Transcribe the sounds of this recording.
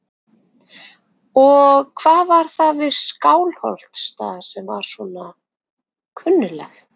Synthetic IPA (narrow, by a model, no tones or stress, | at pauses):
ɔɣkʰvaːðvaɾ̥θaðvɪðskaːwlhɔ̰l̥t̪st̪aːðḁsɛmvaɾ̥sɔna | kʰʏnːʏlɛ̰x